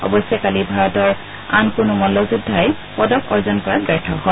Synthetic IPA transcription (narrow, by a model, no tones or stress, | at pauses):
ɔ̰bɔsɛkalibʱaɹɔtɔɹ | ankʊnʊmɔnlːɔzudʱːajpɔdɔkʰɔɹzɔnkɔɹaɡɹɛtʰɔɦɔ